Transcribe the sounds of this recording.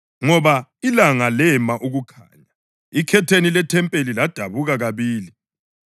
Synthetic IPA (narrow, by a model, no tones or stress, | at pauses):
ŋɔβailaŋalɛmaʔuɣukʰa̰ːɲa | ikʰɛtʰenilɛtʰɛmpʼelilad̥ʱaβuɣaɣaβiːli